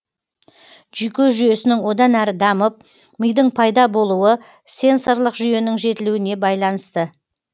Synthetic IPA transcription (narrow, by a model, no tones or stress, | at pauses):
ʒ̥yjkʲe̞ʒyje̞sɪnɪŋwo̞d̪ɑnæɾɪd̪ɑməp̚ | məjd̪ɪɴpʰɑjd̪ɑbo̞lˠuwə | se̞nso̞ɾlˠəqʒʏje̞nɪŋʒe̞t̪ɪluwɪne̞bɑjlˠɑnəst̪ə